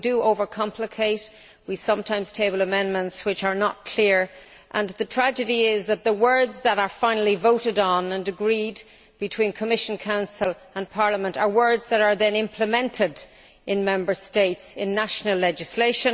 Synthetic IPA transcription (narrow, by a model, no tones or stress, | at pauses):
dəoʊvə˞kʰɑ̃mpʰlɨkʰeɪt | wisʌ̃mtʰãɪ̃mz̥tʰeɪbəl̩ˠəmɛ̃nmə̃ntswɨt͡ʃə˞nət̚kʰl̥ɪɹ | ʔə̃nðɨtʰɹ̥æd͡ʒɨɾiɪzðət̪̚ðəwɜ˞dzðəɾə˞fãɪ̃nl̩ˠivoʊɾɨɾn̩ə̃nɨɡɹid | bɨtʰw̥ĩnkʰəmɪʃnkʰãʊ̃nsəl̩ˠ | ə̃npʰɑɹləmə̃ntə˞wɜ˞dzðəɾə˞ðɨ̃nɪ̃mpʰləmɛ̃ntʰɪd | ɪ̃nmɛ̃mbə˞steɪtsɪ̃nːaʃnəlɛd͡ʒɨsleɪʃə̃n